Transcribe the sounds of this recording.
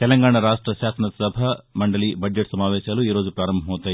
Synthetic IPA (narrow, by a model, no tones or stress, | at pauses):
t̪ɛlɐŋɡaːɳɐɾaːʂʈɾɐɕaːsɐnɐsɐbʱɐmɐɳɖɐlibɐd͡ʒd͡ʒeʈsɐmaːʋeːʃɐɡɐluiːɾo̞ːd͡ʒupɾaːɾɐmbʱɐmɦoːt̪ːaː